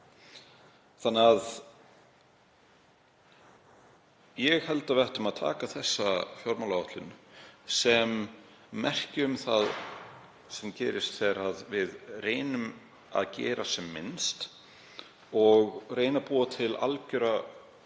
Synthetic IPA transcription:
θanːɪað | jɛɣhɛlt̪avɛht̪ʏmaðt̪ʰa̰ːkaθɛsːafjɔɾmalaɔht̪lɪnsɛmː | ɛr̥cɪʏmθað | sɛmcɛːɾɪst̪θɛɾaðvɪðreːjnʏm | a̰ðcɛ̰ːɾasɛmːɪ̰nst̪ | ɔɣreːjnapuːat̪ʰɪla̰lcʏɾa

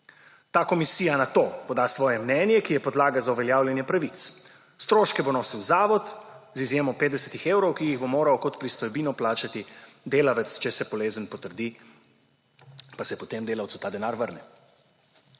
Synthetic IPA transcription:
t̪aːkɔmisiːjanat̪oːpɔd̪aːsʋɔːjɛmnɛːnjɛkijɛpɔd̪laːɡazauʋɛljaːwljɛnjɛpɾaʋit̪s | st̪ɾoːʃkɛbonoːsiwzaːʋɔt̪zizjeːmɔpet̪d̪ɛsɛt̪ixeːwɾɔwkiiɣbomoːɾawkɔt̪pɾist̪ɔjbiːnɔplaːt͡ʃat̪id̪eːlaʋɛt̪st͡ʃɛsɛbɔleːzənpɔt̪əɾd̪i | pasɛpɔt̪emd̪eːlawt̪sut̪aːd̪ɛnaːɾʋəɾnɛ

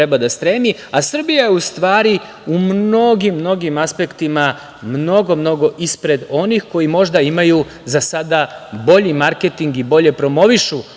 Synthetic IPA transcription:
ɾebad̪ast̪ɾe̞miasr̩bijajeust̪ʋaːɾi | umno̞ɡimːno̞ɡimaspe̞kt̪ima | mno̞ɡo̞mno̞ɡo̞ʔispɾe̞d̪o̞nixko̞jimo̞ʒd̪aimaju | zasad̪abo̞ʎimaɾket̪iŋɡibo̞ʎe̞pɾo̞mo̞ʋiʃu

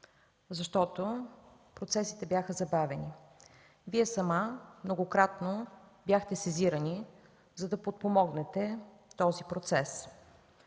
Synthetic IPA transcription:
zɐʃt̪ɔt̪o | pɾot̪sɛsit̪ɛbʲjaxəzɐbavɛni | viɛsɐmamnoɡokɾat̪nobjaxt̪ɛsɛziɾəni | zɐd̪ɐpot̪̚pomɔɡnɛt̪ɛ | t̪ɔzipɾot̪sɛs

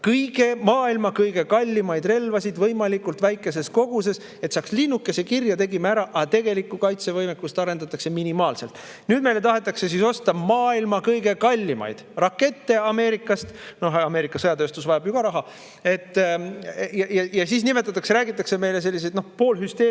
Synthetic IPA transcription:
kɤjɡ̥e̞mɑːilmɑkɤjɡ̥e̞kɑlʲːimɑjd̪re̞lvɑsid̪vɤjmɑlikːˑult̪væjkːˑe̞se̞sko̞ɡ̥use̞s | e̞t̪sɑːkslinːukːˑe̞se̞kirjɑt̪e̞ɡimeæɾɑʔɑt̪e̞ɡe̞likːˑukɑjt̪se̞vɤjmekːˑust̪ɑɾe̞nd̪ɑt̪ːˑɑkse̞minimɑːlse̞lt̪ˑ | nyːd̪me̞jle̞t̪ɑɦe̞t̪ːˑɑkse̞siso̞st̪ɑmɑːilmɑkɤjɡe̞kɑlʲːimɑ̰jd̪̥rɑkːe̞t̪ːe̞ɑme̞ːɾikːˑɑst̪no̞ɦɑme̞ːɾikːˑɑsɤjɑt̪øːst̪usvɑjɑbjuɡ̥ɑɾɑɦɑ | e̞t̪ː | jɑjɑjɑsiːs̬nimet̪ːˑɑt̪ːˑɑkse̞ɾæːɡit̪ːˑɑkseme̞jle̞se̞lːis̬e̞jd̪nohpo̞ːlhyst̪eː

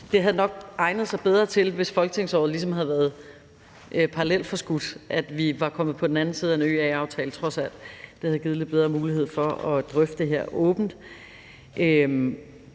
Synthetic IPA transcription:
d̥e̝ɦæð̞̩ˠnɒ̽ɡ̥ɑ̈ɪnð̞̩ˠsɑ̈ɪb̥eð̞ˠʁɐt͡sʰe̝lʋe̝sfɒ̽lɡ̥ə̥t͡sʰe̝ŋsɒ̰ːð̩ˠlis̬ɒ̽mɦæðˠʋæːɐð̞̩ˠ | ʔpʰɑ̈ʁɑlel̰d̥fɒ̽sɡ̥ud̥ʔæd̥ʋiʋɑ̈kʰɒ̽mð̩ˠpʰɒ̽d̥en̩æn̩siːð̞̩ˠæenø̰ːæɑ̈ʊt͡sʰɛːlt͡sʰʁɒ̽sæl̰d̥d̥ehæðˠɡ̥iːð̞̩ˠle̝d̥̚beð̞ˠʁɐːmuːlihe̝ð̰ˠfɒ̽ɒ̽d̥ʁœfd̥ə̥d̥e̝ɦeɐ̰ɔ̽ːb̥n̩d̥ | ʔøm

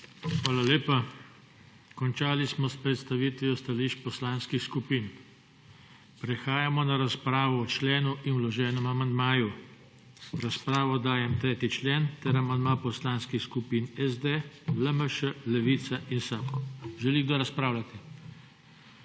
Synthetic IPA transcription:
xʋaːlaleːpa | kɔnt͡ʃaːlismɔspɾɛt̪st̪aʋiːt̪ʋiɔst̪aliːʃt͡ʃpɔslaːnskixskupiːn | pɾɛxaːjamɔnaɾaspɾaːʋɔɔt͡ʃlɛːnuʔinwlɔʒɛːnɔmamand̪maːju | ɾaspɾaːʋɔd̪aːjɛmt̪ɾɛːt̪it͡ʃleːnt̪ɛɾamand̪mapɔslaːnskixskupiːnɛzd̪eləməʃəlɛʋiːt̪saʔinsaːpkɔʒɛliɡd̪ɔɾaspɾaːwlat̪ɛ

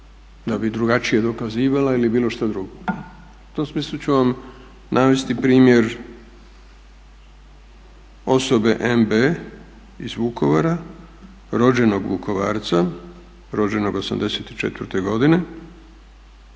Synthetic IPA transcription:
d̪abid̪ɾuɡat͡ʃije̞d̪o̞kaziːʋalailibiːlo̞ʃt̪ad̪ɾuɡo | u̥t̪o̞msmiːslˠut͡ɕuʋam | nʔaʋest̪ipɾiːmje̞ɾ | o̞so̞be̞ʔembe | izʋuko̞ʋaɾa | ɾo̞d͡ʑe̞no̞ɡʋṵkʰo̞ʋa̰ːɾt̪sa | ɾo̞d͡ʑe̞no̞ɡo̞sa̰md̪eset̪i̥t͡ʃe̞̰t̪ʋɾt̪e̞ɡo̞d̪ine̞

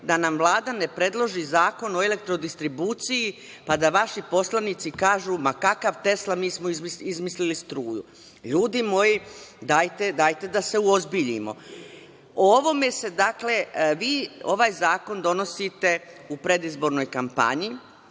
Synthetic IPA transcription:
d̪anamvlˠaːd̪anepɾe̞d̪lˠo̞ʒizaːko̞no̞ele̞k̚t̪ɾod̪ist̪ɾibuːt̪siji | pad̪aʋaʃipo̞slˠaniːt̪sikaːʒumakakaʋt̪e̞slamiːsmoizmisizmislilist̪ɾuːjṵ | ʎuːd̪imo̞jid̪aːjt̪e̞d̪aːjt̪e̞d̪ase̞uozbiʎḭmo̞̰ | ooʋo̞me̞se̞d̪akle̞ʋiːo̞̰ʋaːjzaːko̞nd̪o̞no̞sit̪e̞upɾe̞d̪izbo̞ɾno̞jkampa̰ɲi

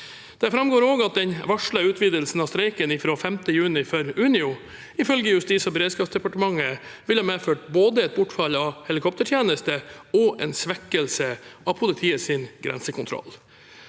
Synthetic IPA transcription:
d̪̥ɛfɾɑmɡoːɾoːɡɑt̪̚d̪ɛnʋɑʂɭəʉːt̪ʰʋiːd̪əlsn̩ɑːst̪ɾɛɪkənɪfɾoːfɛmt̪əjʉːnɪfœɾʉːnɪʊ | ɪfœlɡəjʉst̪iːsɔbɾeːd̪skɑːpsd̪ɛpɑʈəmɑŋːəʋɪlhɑːmeːføːʈ̚boːd̪əɛt̪̚bʊʈfɑlːɑʋhɛlɪkʰɔpt̪əʈʰjeːnəst̪əɔʔɛ̰ːnsʋɛkːəlsəʔɑʋpʰʊlɪt̪ʰiːəsɪnɡɾɛ̰nsəkʰʊnt̪ʰɾɔ̰lː

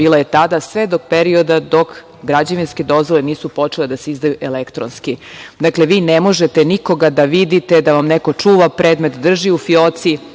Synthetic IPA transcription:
biːlaje̞t̪ad̪asʋe̞d̪o̞k̚peɾio̞d̪ad̪o̞k | ɡɾad͡ʑaʋinske̞d̪o̞zʋo̞leniːsupo̞t͡ʃele̞d̪aseizd̪ajuʔelekt̪ɾonskid̪akleʋiːnemo̞ʒet̪eniko̞ɡad̪aʋid̪it̪ed̪aʋamneko̞t͡ʂuːʋapɾed̪me̞t̪d̪r̩ʒiufiot̪si

